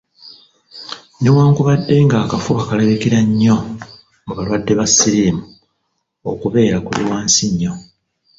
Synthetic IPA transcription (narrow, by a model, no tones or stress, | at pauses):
newaːŋkuβadːe̞ŋɡaːkafukakaleβekiɾaɲːo̞ | ŋoβalwadːe̞βasːiɾiːmu | o̰kuβe̞ːɾakulḭwaːnsiɲːo̞